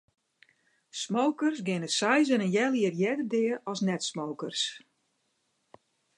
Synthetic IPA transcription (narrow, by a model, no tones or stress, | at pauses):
smowkərsɡɪnəsɛjzənənjɛlˠiərjɛdədɪərɔsnɛtsmowkərs